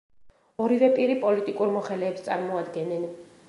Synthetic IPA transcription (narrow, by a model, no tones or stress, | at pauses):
ɔɾivɛpʼiɾipʼɔlit̪ʼikʼuɾmɔχɛlɛːpst̪sʼaɾmɔad̪ɡɛnːɛn